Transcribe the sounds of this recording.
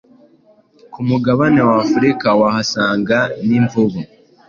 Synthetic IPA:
kumuɡaβanewafuɾikawahasaːŋɡaniɱvuβu

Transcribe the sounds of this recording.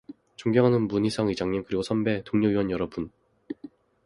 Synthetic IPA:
t͡ɕuŋɡjʌŋɦanɯnmunisʰʌŋid͡ʑaŋɲinkɯɾiɡosʰʌmbe̞toŋɲoiwʌnjʌɾʌbun

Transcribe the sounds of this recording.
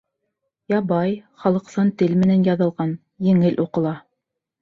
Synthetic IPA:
jɑbɑjχɑlˠɤ̆qsɑnt̪ɘlmɘ̆nænjɑðɤ̆lˠʁɑn | jɘ̆ŋɘlʔuqɤ̆lˠɑ

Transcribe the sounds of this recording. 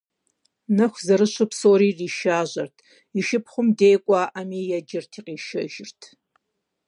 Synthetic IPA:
nɐxʷzɐɾɨɕɨpsoːɾiːriːʃaːʑɐrtʰ | iʃɪpʰχʷʊmdeːkʷʼaːʔamiːjɐd͡ʒɪrtʰiːqʼiːʃɐ̰ʒɪrtʰ

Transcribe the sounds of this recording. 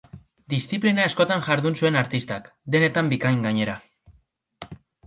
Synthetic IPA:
d̪isθiplinaesko̞t̪aŋʝaɾðunsue̞naɾt̪ist̪ak | d̪e̞ne̞t̪ambikajŋɡaɲe̞ɾa

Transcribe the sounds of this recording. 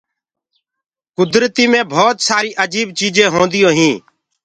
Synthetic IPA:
kʊd̪ɾt̪iːmẽːbʱoːt̪saːɾiːʔəd͡ʒiːbt͡ʃiːd͡ʒẽːɦõːnd̪ɪjõːɦĩː

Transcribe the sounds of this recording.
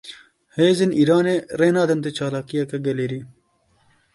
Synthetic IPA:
heːzeniːɾaːneɾeːnaːd̪ɐnt̪et͡ʃaːlaːkijɐkɐɡɐleːɾi

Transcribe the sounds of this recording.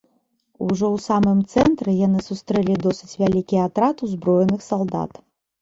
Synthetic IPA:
uʐɔwsamɨmt̪sɛnt̪ɾɛjanɨsust̪ɾɛlʲid̪ɔsɨt͡sʲvʲalʲikʲiat̪ɾat̪uzbɾɔjɛnɨxsalˠd̪a̰t̪

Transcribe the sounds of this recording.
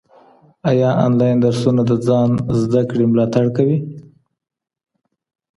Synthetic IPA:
ajɑɑ̰nlɑjnd̪aɾsunad̪əd͡zɑnzd̪akɽemlɑt̪aɽkawi

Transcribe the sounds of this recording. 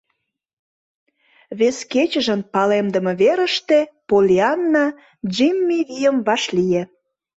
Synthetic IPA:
βesket͡ɕə̆ʒənpɑlemd̪ə̆məβeɾəʃt̪epolʲiɑnːɑ | ʒimʲːiβijəmβɑʃlije

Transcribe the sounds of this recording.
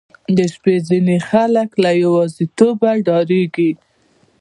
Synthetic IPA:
d̪əʃpezinexaləklajawɑzit̪obaɖɑɾeɡi

